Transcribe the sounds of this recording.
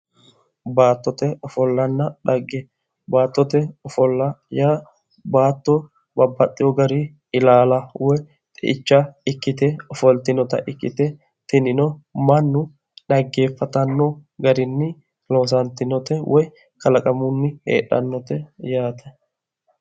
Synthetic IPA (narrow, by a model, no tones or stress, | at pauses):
baːt̪ːɔt̪ɛɔfɔlːɐnːɐᶑɐɡːɛ | baːt̪ːɔt̪ɛɔfɔlːɐjaː | baːt̪ːɔ | bɐbːɐt̪ʼːɪjɔɡɐɾi | ɪlaːlɐwɔj | t̪ʼɛʔɪt͡ʃːaɪkːɪt̪ɛɔfɔlt̪ɪnɔt̪ɐ̰ʔɪkːɪ̰t̪ɛ | t̪ɪnɪnɔmɐnːʊ | ɗɐɡːe̞ːfːɐt̪ɐnːɔɡɐɾɪnːɪ | loːs̬ɐnt̪ɪnɔt̪ɛwʔɔj | kɐlɐkʼɐmʊnːɪhḛːɗɐ̰nːɔt̪ɛjaːt̪ɛ̥